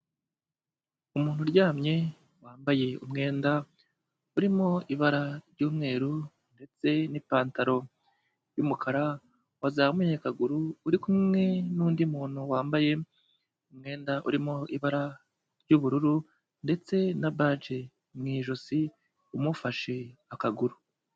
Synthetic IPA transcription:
umuːn̥uɾɟaːmɲe̞ | waːmbaje̞ṵmŋe̞ːnda | uɾimo̞iβaɾaɾɟuːmŋe̞ːɾu | nde̞t͡se̞nipaːntaɾo̞ | jumukʰaɾa | wazaːumeɲekaɡuɾuːɾikumŋe̞nuːndimuːn̥huwaːmbaje̞ | umŋe̞ːndaʔṵɾimoʔiβaɾa | ɾɟuβuɾuɾu | nde̞t͡se̞naβaːd͡ʒe | mŋiːʒosi | umufaʃe̞akaɡuɾu

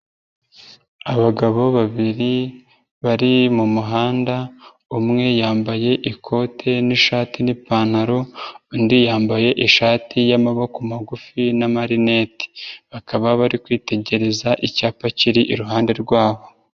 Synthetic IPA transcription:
aβaɡaβo̞βaβiɾi | βaɾimumuɦaːnda | umŋe̞jaːmbaje̞ʔikʰo̞ːtʰe̞niʃaːtinipaːnaɾo̞indijaːmbaje̞ʔiʃaːtijamaβokumaɡufinamaɾineti̥βakaβaβaɾikwiːte̞ɟe̞ɾe̞zaʔicaːpaciɾiʔiɾuɦaːnde̞ɾɡwaːβo̞

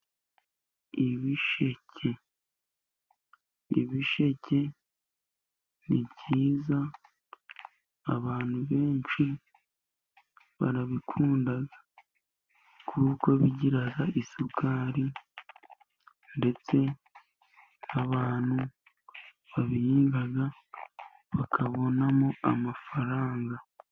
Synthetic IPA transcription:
iβiʃe̞ce̞ | ḭβiʃe̞ce̞ | nibɟiːza | βaːn̥huβe̞ːnt͡ʃʃi | βa̰ɾaβikʰuːndaɡḁ | kʰuːko̞βiɟiɾaɡaʔisukʰaːɾi | nde̞t͡se̞ | naβaːn̥hu | βaβijiːŋɡaɡa | βakʰaβo̞namoamafaɾaːŋɡa

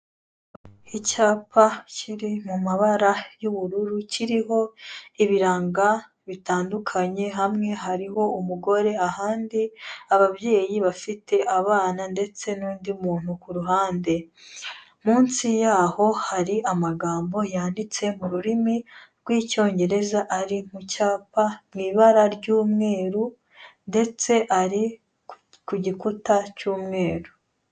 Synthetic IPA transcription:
icaːpʰacʰiɾimumaβaɾajuβuɾuɾuciɾiɦo̞iβiɾaːŋɡa | βitaːndukʰaɲe̞ɦamŋe̞ɦaɾiɦo̞umuɡo̞ɾe̞ahaːndiaβaβje̞ːjiβafite̞ʔaβaːnande̞t͡se̞nuːndimuːn̥hukuɾuɦaːnde̞ | muːnsijaːho̞haɾiʔamaɡaːmbo̞jaːndit͡se̞muɾuɾimiɾɡwiːco̞ːɲɟe̞ɾe̞zaʔaɾimucaːpamwiːβaɾaɾɟuːmŋe̞ːɾu | nde̞t͡se̞ʔaɾi | kuɟikutacuːmŋe̞ːɾu

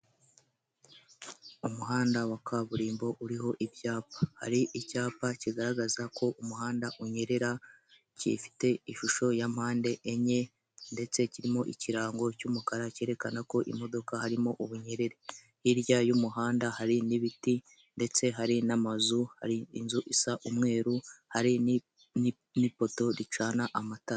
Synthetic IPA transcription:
umuɦaːndawakʰaβuɾiːmbo̞ʔuɾiɦo̞ʔibjaːpḁha̰ɾiʔicaːpaciɡaɾaɡazako̞ʔumuhaːndaʔuɲe̞ɾe̞ɾa | cḭfi̥te̞iʃuʃo̞jam̥haːnde̞ʔːɲe̞ | nde̞t͡se̞ciɾimo̞ʔiciɾaːŋɡo̞cumukaɾace̞ːɾe̞kanako̞ʔḭmo̞do̞kahaɾimo̞ʔuβuɲe̞ɾe̞ɾe̞ | iɾjajumuɦaːndahaɾiniβiti | nde̞t͡se̞ɦaɾinamazuha̰ɾiːnzuʔisaʔumŋe̞ːɾuhaɾi | ni | nipo̞to̞ɾit͡ʃaːnaʔamata

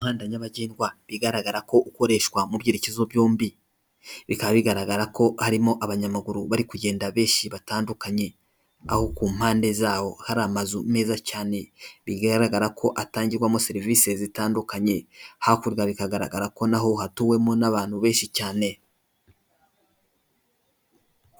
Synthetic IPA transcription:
uumhaːndaɲaβaɟeːndɡwaβiɡaɾaɡaɾako̞ʔuko̞ɾe̞ʃkwamubɟiːɾecezo̞bjoːmbi | βikaββiɡaɾaɡaɾako̞haɾimo̞ʔaβaɲamaɡuɾuβaɾikuɟe̞ːndaβe̞ːʃiβataːndukaɲe̞ | a̰ho̞kuːm̥haːnde̞zaːwo̞haɾamazume̞ːzacaːne̞βiɡaɾaɡaɾakʰo̞ʔataːɲɟiɾɡwamo̞se̞ɾiviːse̞zitaːndukaɲe̞hakuɾɡaβikaɡaɾa̰ɡaɾako̞naɦo̞hatuwe̞monaβaːn̥huβe̞ːʃicaːne̞

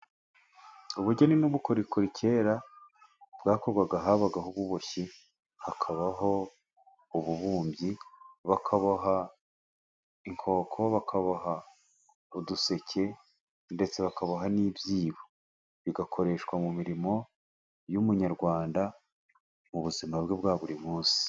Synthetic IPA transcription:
uβuɟe̞ninuβuko̞ɾikʰoɾicʰe̞ːɾa | bɡaːko̞ɾɡwaɡaɦaβaɡaɦuβuβo̞çi | hakʰaβaɦo̞ | uβuβuːmbjiβakʰaβaɦa | iŋkʰo̞ːkʰo̞βakʰaβaɦa | uduse̞cʰe̞ | nde̞t͡se̞βakaβaɦaniːbjiːβo | βiɡakʰo̞ɾe̞ʃkwamumiɾimo̞ | jumuɲaɾɡwaːnda | muβuzimabɡebɡaːβuɾimuːnsi̥

